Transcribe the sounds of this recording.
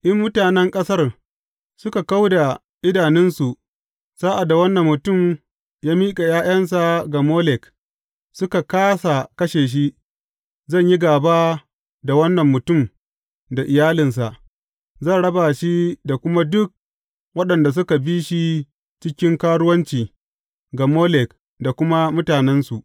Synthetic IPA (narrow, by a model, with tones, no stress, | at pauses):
ʔɪ˦mːʊ˦taː˨nɛ˦ŋkʼɐ˦sɐ˦r | sʊ˦ka˨ka˦wda˨ | ʔɪ˦daː˨nɪ˦nsu˨ʔ | saː˦ʔa˨dːa˨wɐ˦nːɐ˨mːʊ˨tʊ˦˨m | jaː˦miː˦kʼa˨jaː˦j̰ɐ˦ns̬a˨ɡa˨moː˦lɛ˨k | sʊ˦ka˨kaː˦sa˨kɐ˦ʃeː˨ʃ̬i˦ | zɐ˦˨ɲji˦ɡaː˨ba˦ | da˨wɐ˦nːɐ˨mːʊ˨tʊ˦˨m | da˨ʔɪ˨jaː˦lɪ˨ns̬a˨ʔ | zɐ˦˨nɽɐ˦ba˨ʃi˦da˨kʷʊ˦ma˦dʊ˦k̚ | wɐ˦ɗɐ˨nda˨s̬ʊ˦ka˨biː˦ʃi˦ | t͡ʃɪ˦kʲɪ˦ŋkaː˦ɽʊ˦wɐ˦nt͡ʃiː˨ | ɡa˨moː˦lɛ˨k̚ | da˨kʷʊ˦ma˦mʊ˦taː˨nɛ˦nsu˨ʔ